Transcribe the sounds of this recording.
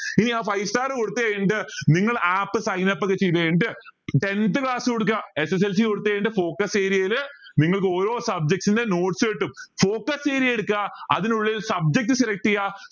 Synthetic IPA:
iniaːfɐjsʈaːrkoɽut̪ːɨɐjeɳɖɨniŋːɐɭaːpːɨsɐjnɐpːɐkːet͡ɕejt̪ːɐjɳɖɨʈe̞nd̪ɨkɭaːsɨkoɽuk̬ːaeses̬els̬ikoɽut̪ːɨɐjɳɖɨfo̞ːkɐseːɾiɐlniŋːɐɭkɨo̞ːɾo̞ːsɐb̚d͡ʑek̚ʈsinde̞noːʈsɨpeʈːumfo̞ːkɐseːɾieɽukːaɐðinuɭːilsɐb̚d͡ʑek̚ʈːɨseɾɐk̚ʈija

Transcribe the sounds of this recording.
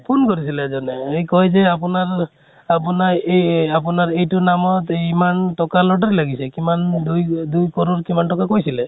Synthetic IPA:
pʰonkɔɾisilezɔneejkɔɦjzeapunaɾ | apunaeapunaɾejtunamɔt̪imanʈɔkalɔʈ̬ɔɾelaɡisekimandujd̪ujkɔɾuɾkimanʈɔkakojsile

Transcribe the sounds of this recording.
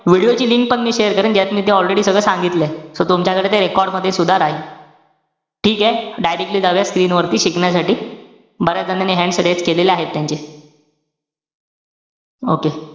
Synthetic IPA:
ʋiɽijot͡ɕiːliŋk̚pəɳmiːɕejəɾkəɾəːɳd͡ʑjat̪miːt̪̬eɔlɾeɽiːsəɡɭəːsãŋɡit̪lesot̪umt͡ɕakəɽet̪eɾekɔɾɽməd̪ʱːjesud̪ʱaɾaɦe | ʈʰiːkɦɛɖajɾek̚ʈliːd̪aʋjaskɾiːnʋəɾt̪iːɕikɳjasaʈiː | bəɾad̪ananeɦɛ̃ɳɖsɽet͡skeleleaɦet̪ːjaɲt͡ɕe | oke

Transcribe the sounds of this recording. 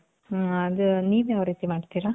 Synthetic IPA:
ɐd̪uniːʋjaːʋɾiːt̪imaːɖt̪iːɾa

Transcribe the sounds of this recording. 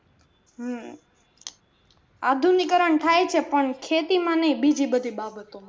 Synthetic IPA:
ad̪ʱunikəɾəɳt̪ʰajt͡ʃʰepəɳkʰet̪imãnəjbid͡ʒibəd̪ʱibabət̪omã

